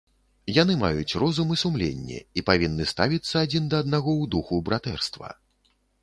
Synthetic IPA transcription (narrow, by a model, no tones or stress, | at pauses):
janɨma̰jut͡sʲrɔzumɨsumlʲḛnʲːɛ̰ipavʲinːɨst̪avʲit̪sːɐːd͡zʲind̪ɐːd̪naɣɔwd̪uxubɾat̪ɛrst̪vɐ̰